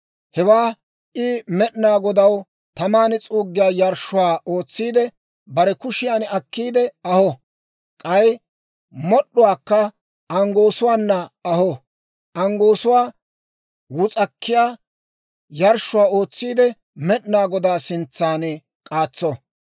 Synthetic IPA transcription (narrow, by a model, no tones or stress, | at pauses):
hɛwaː | ʔɪmɛɗnaːɡɔd̪ɐw | t̪ɐmaːnɛt͡sʼuːɡːɪjaːjɐɾʃːʊwaːʔo̞ːt͡sːiːd̪ɛ | bɐɾɛkʊʃɪjaːnɛɐkːiːd̪ɛɐhɔ | kʼɐj | mɔɗːʊwaːkːɐ | ʔɐŋɡo̞ːsʊwaːnːɐɐhɔ | ʔɐŋɡo̞ːsʊwaː | wʊt͡sʼɐkʰːɪjaː | jɐɾʃʊwaːo̞ːt͡sːiːd̪ɛ | mɛɗnaːɡɔd̪aːsɪnt͡sːaːnɛ | kʼaːt͡sːɔ